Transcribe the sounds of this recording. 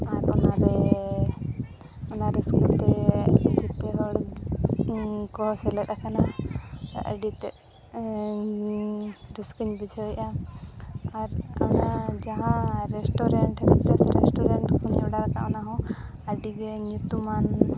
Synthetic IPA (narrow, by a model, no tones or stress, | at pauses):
aɾɔnaɾɛ | ɔnaɾɛskult̪ɛd͡ʒit̪ɛɦɔɽ | kɔsɛlɛt̪akana | ɾə̰ɖit̪ɛ | ɾiskiɲbid͡ʒʱɔʔa | aɾɔnad͡ʒaɦãɾɛsʈɔɾɛɳʈɾɛt̪ɛsɛɾɛ̰sʈɔɾaɳʈkunɛwɖaɾaka̰ʔɔnaɦɔ̃ | əɖiɡɛɲut̪uman